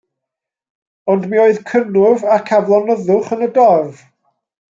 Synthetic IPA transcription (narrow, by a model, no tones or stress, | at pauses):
ɔndmioːɨðkʰənʊvakʰavlˠɔnəðʊχənədɔrv